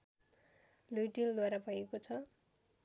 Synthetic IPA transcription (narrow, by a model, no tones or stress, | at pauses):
lujʈild̪waɾabʱʌjekot͡sʰʌ